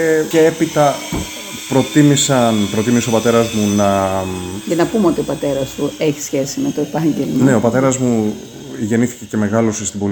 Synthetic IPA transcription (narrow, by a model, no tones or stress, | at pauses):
ce̞e̞pit̪ɐ | pɾo̞t̪imisɐnpɾo̞t̪imiseopɐt̪e̞ɾɐzmunɐ | jɐnɐpumeo̞t̪io̞pɐt̪e̞ɾɐst̪ue̞çi̥sçe̞simet̪oepɐɲɟelmɐne̞opɐt̪e̞ɾɐzmu | ʝe̞niθi̥ce̞ce̞me̞ɣɐlo̞sest̪ibo̞l